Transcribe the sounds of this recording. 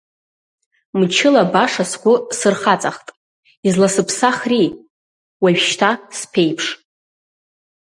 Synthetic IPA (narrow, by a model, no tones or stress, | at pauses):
mt͡ʃʰɪlabaʂaskʷʼʊsɨrχat͡sʼaχtʼ | izlasɨpʰsaχri | waɥʃtʰaspʰe̞jpʰʂ